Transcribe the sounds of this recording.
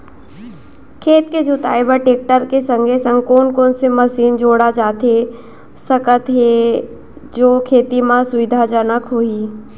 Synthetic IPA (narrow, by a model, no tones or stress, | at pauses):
kʰeːt̪ked͡ʒʱʊt̪a̰ːebəʈeːk̚ʈəɾkesə̃ŋɡʱesə̃ŋɡkoːnkoːnseməsiːnd͡ʒoːɽad͡ʒaːt̪e | səkət̪ɦe | d͡ʒoːkʰeːt̪imãsʊʋɪd̪ʱad͡ʒənəkɦoːiː